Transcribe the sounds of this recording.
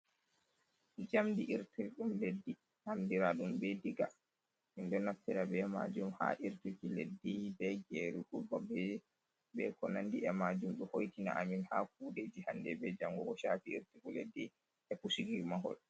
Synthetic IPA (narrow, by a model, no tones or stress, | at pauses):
d͡ʒamdiʔiɾtuɗumledːi | hamdiɾaɗumbɛdiɡa | mindɔnaftːiɾabɛma̰d͡ʒumha̰ʔiɾtukiledːibɛɡɛɾukubabɛ | bɛkɔnandiɛmad͡ʒumɗuhojtina̰ʔaminhak̚uːɗed͡ʒihandɛbɛd͡ʒamɡɔɡɔʃaːfiiɾtikulḛdːi | ɛkusiɡimaɦɔ̰l